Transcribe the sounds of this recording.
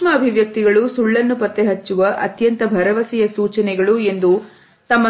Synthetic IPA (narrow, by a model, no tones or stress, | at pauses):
mɐːbʱiʋjɐk̚t̪iɡɐɭusuɭːɐnːupɐt̪ːeɦɐt͡ʃːuʋɐʔɐ̰t̪jɐnt̪ɐbʱɐɾɐʋɐsijɐsuːt͡ʃɐnɛɡɐɭue̞nd̪u | t̪ɐmːɐ